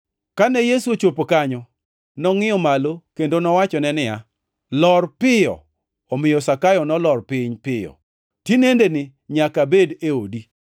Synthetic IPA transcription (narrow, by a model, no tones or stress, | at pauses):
kanɛjesuot͡ʃopokaɲɔ | nɔŋɪjɔmalokendonɔwat͡ʃɔnɛnɪja | lɔrpɪjɔ̰ | ɔmɪjɔsakajɔnɔlɔrpɪɲpɪjɔ̰ | tinendenɪ | ɲakabedeodi